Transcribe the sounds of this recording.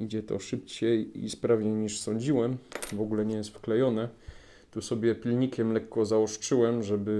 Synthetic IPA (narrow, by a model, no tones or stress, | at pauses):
id͡ʑɛt̪ɔ̰ʂɘp̚t͡ɕɛjḭspɾavɲejɲiʂsɔɲd͡ʑiwɛmvɔɡulɛɲɛjɛst̪fklɛjɔnɛ | t̪usɔbʲjɛpʲilɲikʲɛmlɛkːɔzaɔʂt͡ʂɘwɛmʐɛbɘ